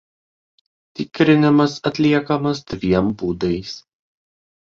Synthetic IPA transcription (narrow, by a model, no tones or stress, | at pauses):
t̪ʲɪkɾʲɪnʲɪmɐsɐt̪ʲlʲiɛkɐmɐsd̪ʲʋʲiɛmbuːd̪ɐɪs